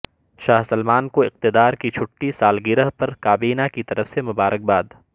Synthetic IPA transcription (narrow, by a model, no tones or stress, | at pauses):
ʃaːɦsɐlmaːnkoɪq̚t̪ɪd̪aːɾkit͡ʃʰʊʈːisaːlɡɪɾəɦpɐɾkaːbiːnakit̪ɐɾəfsemʊbaːɾək̚baːd̪